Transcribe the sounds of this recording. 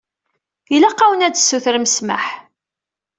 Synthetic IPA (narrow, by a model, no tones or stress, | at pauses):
ilæqːɑwənædsːuθɾməsma̰ħ